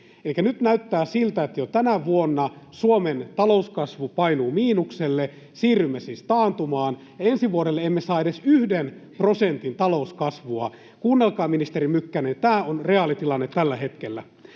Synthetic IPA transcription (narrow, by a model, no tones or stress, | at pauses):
elikænyt̪næyt̪ːæːsilt̪æet̪ːjot̪ænæʋuonːɑsuoment̪ɑlouskɑsʋupɑinuːmiːnukselːe | siːrymːesiːst̪ɑːnt̪umɑːn | jɑensiʋuoɾelːeemːesɑːeɾesyhdenprosent̪int̪ɑlouskɑsʋuɑ̰ | kuːnːelkɑːminist̪eɾimykːænent̪æːonreɑlit̪ilɑnːet̪ːælːæhet̪kelːæ